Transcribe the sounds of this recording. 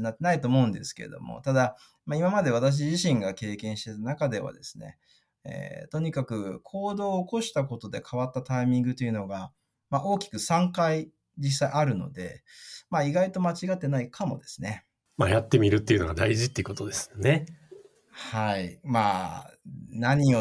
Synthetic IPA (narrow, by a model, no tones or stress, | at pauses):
anait̪o̞ːmo̞ɯ̃nd̪e̞sɨ̥ke̞̰ɾed̪o̞̰mo̞̰t̪ad̪a | maimamad̪e̞β̞at̪aɕ̬iʑiɕĩŋɡake̞ːkẽɰ̃ɕi̥t̪eɾɯnakad̪e̞βa̰d̪e̞̰sɨ̥ne̞̰ | ḛːt̪o̞ɲ̟ikakɯ̟kʰo̞ːd̪o̞ːko̞ɕi̥t̪ako̞t̪o̞d̪e̞kʰaβat̪ːat̪aimʲĩŋɡɯt̪ːoiɯ̟no̞ɡa | maʔo̞ːkʲi̥kɯ̟sãŋkai | d͡ʑis̬aiʔaɾɯ̟no̞̰d̪e̞maiɡait̪o̞mat͡ɕiɡat̪ːe̞naikʰamo̞̰d̪e̞sɨ̥ne̞ | majat̪ːemʲiɾɯ̟t̪ːe̞iɯ̟noɡad̪aiʑit̪ːeiɯkot̪od̪esɨ̥ne̞ | haimaː | naɲ̟io